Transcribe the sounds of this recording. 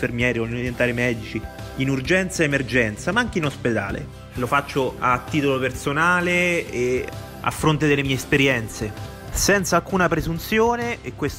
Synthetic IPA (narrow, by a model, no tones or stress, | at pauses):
fermjɛːɾikolnoɾjent̪aːɾimɛːd̪it͡ʃiinurd͡ʒɛnt̪saemerd͡ʒɛnt̪samaaŋkeinosped̪a̰ːlḛ | lofat͡ʃːoat̪ːiːt̪olopersonaːlee | a̰fːɾont̪ed̪elːemiːespeɾjɛnt̪se | sɛnt̪salkuːnapɾezunt̪sjoːneːkːwes